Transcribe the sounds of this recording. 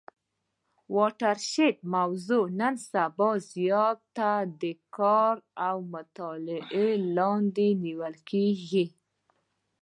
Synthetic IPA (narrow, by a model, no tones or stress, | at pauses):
wɑʈaɾʃeʈ̚mawzunənsabɔzijɑt̪ːad̪əkɑɾawmʊt̪ɑlɪelɑnd̪eniwəlkeɡi